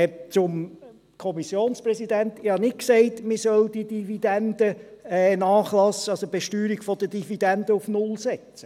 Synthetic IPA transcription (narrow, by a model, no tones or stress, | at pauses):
ɛt͡sʊm | kʰɔmisjoːnsprɛsidæntɪhɑnɪt̚ksɛɪtmɪsœld̥idivid̥ændəɛnɑːχlɑsːəɑsob̥eʃtyːɾiɡ̥fɔd̥̪əd̥ivid̥ɛnd̥əufnʊlsɛt͡sə